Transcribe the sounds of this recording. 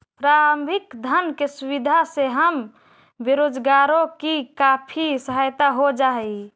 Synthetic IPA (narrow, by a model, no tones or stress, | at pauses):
pɾaɾəmbʱikd̪ʱənkesuβid̪ʱaseɦəm | beɾod͡ʒɡaɾokikapʰisəɦajt̪aɦod͡ʒaɦɛ